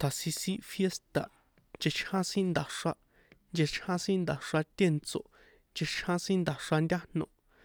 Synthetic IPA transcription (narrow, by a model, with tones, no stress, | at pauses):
t̪ʰa˨si˧sĩ˦fje˦st̪a˨ | nd͡ʒe˧t͡ʃʰhã˦sĩ˦nd̪a˨ʂa˧ | nd͡ʒe˧t͡ʃʰhã˦sĩ˦nd̪a˨ʂa˧t̪ʲe˦˨nt͡so̰˨ | nd͡ʒe˧t͡ʃʰhã˦sĩ˦nd̪a˨ʂa˧ndʲa˦nõ˧˨